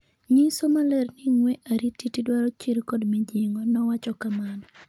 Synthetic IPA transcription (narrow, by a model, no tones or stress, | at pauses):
ɲisomalɛrnɪŋwɛʔaɾitːitidwaɾɔt͡ʃiɾkɔdmɛd͡ʒɪŋɡɔnɔwat͡ʃɔkamanɔ